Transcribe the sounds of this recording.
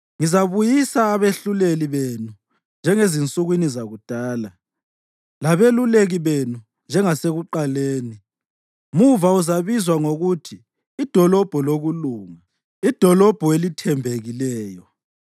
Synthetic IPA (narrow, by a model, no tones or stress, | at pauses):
ŋizaβujisaːβeɬuleliβenu | nd͡ʒʱɛŋezint͡sʼuɣwinizaɣud̥ʱaːla | laβeluleɣiβenu | nd͡ʒʱɛŋaseɣuǃaleːni | muvauzaβizwaŋoɣutʰiː | d̥ʱɔlɔb̥ʱɔloɣuluːŋa | id̥ʱɔlɔb̥ʱɔelitʰɛmbʱeɣilɛːjɔ